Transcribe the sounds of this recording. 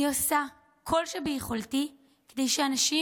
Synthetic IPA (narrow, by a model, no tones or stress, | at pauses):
iosa | kʰo̞lʃebejiχolti | kede̞jʃeanaʃi